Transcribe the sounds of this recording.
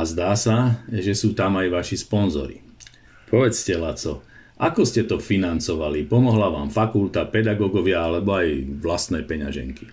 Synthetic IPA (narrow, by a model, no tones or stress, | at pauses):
azd̪aːsaʒɛsuːt̪amajʋaʃispɔnzɔ̰ɾḭ | pʰɔʋɛt͡scɛlat͡sɔ | ʔakɔscɛt̪ɔfinant͡sɔʋalipɔmɔɦlaʋaːmfakult̪apɛd̪aɡɔɡɔʋɪaalɛbɔajʋlast̪nɛjpɛɲa̰ʒɛ̰ŋki̥